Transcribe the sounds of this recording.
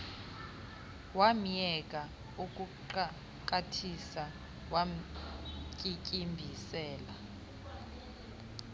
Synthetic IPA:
wam̩jɛk̬ʼa | uk̬ʼuǃ | k̬ʼatʰisa | wam̩ | kʼikʼimbʱisɛːla

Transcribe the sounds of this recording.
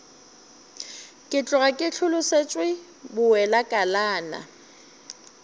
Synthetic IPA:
kʼɪt͡ɬʼʊɣakʼɪt͡ɬʰʊlʊset͡ʃʼwɪ | bʊwɛlakʼalaːna̰

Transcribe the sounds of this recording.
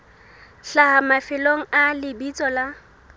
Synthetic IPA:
ɬahamafɪloŋ̩alɪbit͡sʼɔla

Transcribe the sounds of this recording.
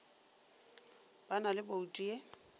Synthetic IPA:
b̥analɪboutʼie

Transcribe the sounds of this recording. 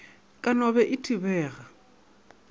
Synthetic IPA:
kʼanɔβɛʔɪtʰʼibɛːɣa

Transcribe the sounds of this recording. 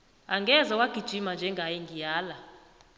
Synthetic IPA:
aŋɡɛzawaɡ̥ʱid̥ʒ̥ʱimand͡ʒʱɛŋɡʱajɛŋɡʱijaːla

